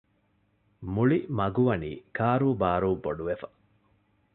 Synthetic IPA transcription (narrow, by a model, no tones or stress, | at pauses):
muɭimɐɡuʋɐnḭːkʰaːɾuːbaːɾuːboɖuʋefɐ̥